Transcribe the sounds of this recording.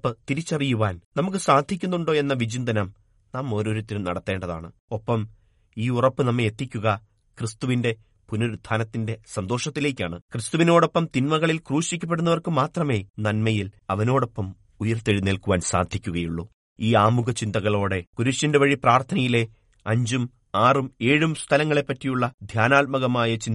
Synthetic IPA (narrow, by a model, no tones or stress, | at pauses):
pːɨt̪iɾit͡ɕːɐrijuʋaːnnɐmuk̬ːɨsaːd̪ʱikʲːunːuɳɖo̞ːe̞nːɐʋid͡ʑind̪ɐnɐm | naːmo̞ːɾo̞ːɾut̪ːilumnɐɽɐt̪ːe̞ːɳɖɐða̰ːɳɨ | o̞pːɐm | iːurɐpːɨnɐmːeet̪ːikʲːuɣɐ | krɨst̪uʋinde̞ | punoɾd̪ʱʰaːnɐt̪ːinde̞sɐnd̪o̞ːʂɐt̪ːile̞ːkʲːaːɳɨkrɨst̪uʋino̞ːɽo̞pːɐmt̪inmɐɣɐɭilkruːɕikʲːɐp̬ːe̞ɽunːɐʋɐrkɨmaːt̪rɐme̞ːnɐnmɐjilɐʋɐno̞ːɽo̞pːɐm | ujɐrt̪eɻineːlkuʋaːnsa̰ːd̪ʱikʲːuɣɐjuɭːu | iːaːmuɣɐt͡ɕind̪ɐɣɐɭo̞ːɽe̞kuɾuɕɐndeʋɐɻipraːrt̪ʰɐnɐjile̞ | ɐɲd͡ʑum | aːrume̞ːɻumst̪ʰɐlɐŋːɐɭe̞pːɐtːijuɭːɐd̪ʱjaːnaːlmɐɣɐmaːjɐt͡ɕin